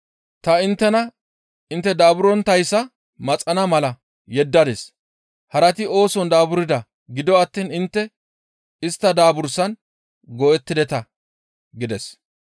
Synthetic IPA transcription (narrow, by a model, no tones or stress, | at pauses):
t̪ɐɪnt̪ːɛnɐ | ɪnt̪ːɛd̪aːbʊɾɔnt̪ɐjsːɐ | mɐt͡sʼɐnɐmɐlɐ | jɛd̪ːɐd̪es | hɐɾɐt̪ɪo̞ːsɔnd̪aːbʊɾɪd̪ɐ | ɡɪd̪ɔɐt̪ːiːnɪnt̪ːɛ | ɪst̪ːɐd̪aːbʊɾsɐn | ɡɔɛt̪ːɪd̪ɛt̪ɐ | ɡɪd̪ɛs